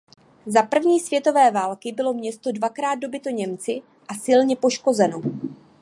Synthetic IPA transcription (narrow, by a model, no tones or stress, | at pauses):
zapr̩vɲiːsvjɛt̪o̞vɛːvaːlkɪbɪlo̞mɲɛst̪o̞dvakɾaːd̪̚do̞bɪt̪o̞ɲɛmt͡sɪ | ʔasɪlɲɛpo̞ʃko̞zɛno̞